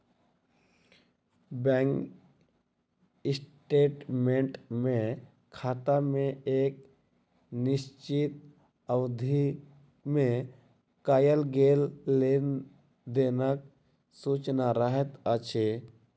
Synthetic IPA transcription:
bɛŋk | ɪsʈeːʈmẽɳʈmẽ | kʰaːt̪amẽeːk̚ | nɪst͡ʃit̪̚ | əwd̪ʱi | mẽ | kaːjəlɡeːlle | d̪enək | sut͡ʃnaɾəɦət̪ət͡ʃʰe

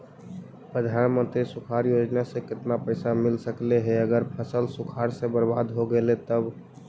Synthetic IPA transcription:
pɾəd̪ʱanmənt̪ɾisukʰaɾjod͡ʒnasẽkɪt̪napəɪsamɪlsəkleɦeəɡəɾpʰəsəlsʊkʰaɾsebəɾbad̪ɦoɡelet̪əb

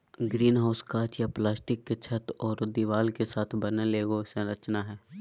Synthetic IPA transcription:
ɡɾiːnɦaːʊskaːt͡ʃjaplaːsʈɪkːet͡ʃʰɐt̪ɔːɾd̪iʋaːlkesaːt̪ʰbɐneleːɡosẽɾɐt͡ʃnaɦɛː

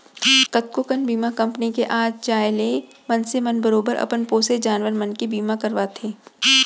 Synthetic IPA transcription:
kɐt̪̚kokənbiːmakɐ̃mpnikeʔaːd͡ʒt͡ʃaːjle | mɐnsemɐnbəɾoːbəɾʔɐ̰pənpoːsed͡ʒaːnʋəɾmɐnkibiːmakɐɾʋat̪ʰeː

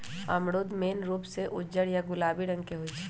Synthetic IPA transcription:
ɐ̰mɽoːd̪meːnɾuːpseʔʊd͡ʒəɾjaɡʊlaːbiɾə̃ŋɡkeɦoit͡ʃʰ

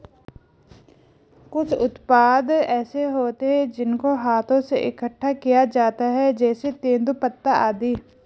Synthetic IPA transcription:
kʊt͡ʃʰʊt̪paːd̪ɛːseɦoːt̪eɦɛ̃d͡ʒɪnkoɦaːt̪ʰõseʔɪkəʈʰːakijad͡ʒaːt̪aɦɛd͡ʒɛːset̪ẽːnd̪upət̪ːaaːd̪iː

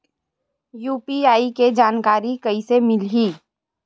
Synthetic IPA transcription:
juːpiaːiked͡ʒaːnkaːɾikɐisemɪlɦiː

